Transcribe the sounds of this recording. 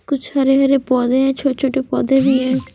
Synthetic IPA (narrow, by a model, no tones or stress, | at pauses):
kʊt͡ʃaɾeɦəɾepɔːd̪eːɛːt͡ʃʰoːt͡ʃʰoːʈepɔːd̪eːbiːɛː